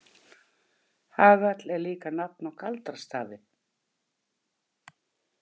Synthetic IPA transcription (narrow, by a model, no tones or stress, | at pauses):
haːɣat̪lɛɾliːkanap̚nawkʰalt̪ḁst̪aːðɪ